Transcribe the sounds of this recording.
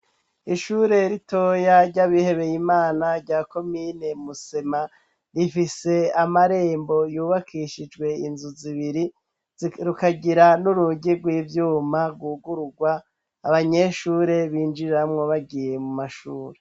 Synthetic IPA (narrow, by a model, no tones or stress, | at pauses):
iʃuːɾe̞ɾitʰo̞ːjaɾɟaβihe̞βe̞jimaːnaɾɟaːko̞mine̞muse̞ma | ɾifise̞amaɾe̞ːmbo̞juːβakʰiʃid͡ʒɡwe̞inzuziβiɾi | ɾukaɟiɾanuɾuɟiɾɡwiːvjuːmaɾɡuɡuɾuɡwaː | βaɲe̞ʃuːɾe̞βiːnd͡ʒiɾamŋo̞βaɡije̞mumaʃuːɾe